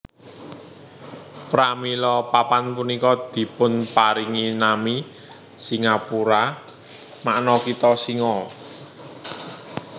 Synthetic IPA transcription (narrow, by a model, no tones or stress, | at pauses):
pɾamilɔpapanpunikɔd̪̥i̤pʊnpaɾiŋinami | siŋapuɾa | maʔnɔkit̪ɔsiŋɔ